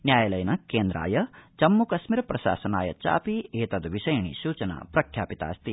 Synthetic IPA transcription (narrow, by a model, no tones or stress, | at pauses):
njaːjɐlɐjɐnɐkeːnd̪ɾa̰ːjɐt͡ʃɐmːukɐsmiɾɐpɾɐʃa̰ːsɐnaːjɐ̰t͡ʃa̰ːpieːt̪ɐd̪ɐʋiʃɐjɐɳḭʃuːt͡ʃɐna̰ːpɾɐkʰjaːpit̪a̰ːst̪i